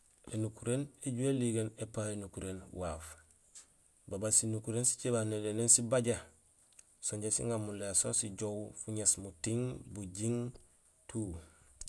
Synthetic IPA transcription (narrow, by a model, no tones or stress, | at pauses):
ḛnukuɾeneɟueliɡenepaenukuɾeːnwaf | babasinukuɾensi̥t͡ʃebanedenensibaɟa | soɲɟesḭŋamulesonsiɟowfuɲesmutiŋbuɟiŋ | tʰuː